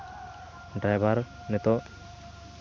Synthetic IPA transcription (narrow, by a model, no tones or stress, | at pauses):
ɖɾajbaɾ | nɛt̪ɔ